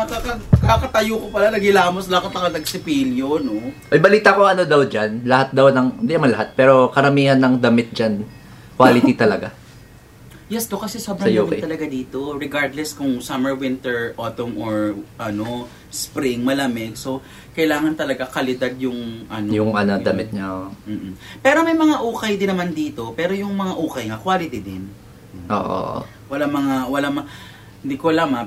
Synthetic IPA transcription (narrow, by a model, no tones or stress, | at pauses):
ɐkakɐkakɐt̪ɐjukopɐlanɐɡɪlaːmoslɐkɐt̪ːɐkɐd̪ɐɡsɪpiːljonoʔɐjbɐliːt̪akoɐnod̪awd͡ʒanlɐhat̪̚d̪awnɐŋɪnd̪iʔ̪ɐmɐnlɐɦat̪̚pɛːɾo̞kɐɾɐmiːhɐnːɐŋd̪ɐmɪt̪̚d͡ʒan | kwaːlɪt̪it̪ɐlɐɡa | jɛsd̪okɐsɛsabɾɐɐjomɪtt̪ːɐlɐɡad̪iːt̪o̞ɹɛɡaɹd̪lɛskʊŋsɐmɛɹwɪ̃nt̪ɛɹʔot̪omʔoɹʔɐno | spɾɪŋmɐlɐmɛɡ̚so̞ | kɐjlaːŋɐnt̪ɐlɐɡakɐlɪd̪ad̪̚jʊŋʔɐnojʊŋʔɐnɐd̪ɐmɪt̪̚ɲam̩ːʔ̩pɛːɾo̞mɐjmɐŋaʔuːkɐjd̪ɪnːɐmand̪iːt̪o̞pɛːɾo̞jʊŋmɐŋaʔuːkɐjŋakwaːlɪt̪id̪ɪn | ʔo̰ːʔo̰ | wɐlamɐŋawɐlamɐ | ɪnd̪ikolɐma